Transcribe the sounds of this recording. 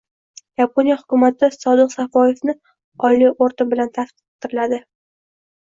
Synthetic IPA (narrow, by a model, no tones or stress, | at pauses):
japʰonijahʊkʲʊmat̪ʰɪsɒd̪ɨqsafɒje̞fnɪ | ɒjlioɾt̪ɪbɪlant̪ʰasqɨ̥q̚t̪ʰɪɾɪlad̪ɪ